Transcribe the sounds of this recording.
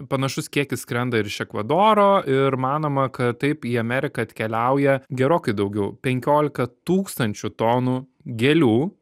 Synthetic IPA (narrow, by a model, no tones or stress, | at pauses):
pɐnɐʃʊskʲiɛkʲɪsskɾʲɛnd̪ɐɪɾɪʃʲɛkʋɐd̪oːɾoːʔɪɾmɑːnoːmɐkɐt̪t̪ɐɪpiːɐmʲæːɾʲɪkɐɐt̪ʲkʲɛlʲɛʊjɛɡʲɛɾoːkɐɪd̪ɐʊɡʲɛʊpʲɛŋʲkʲoːlʲɪkɐt̪uːkst̪ɐnʲt͡ʃʲʊt̪oːnu | ɡʲɛlʲuː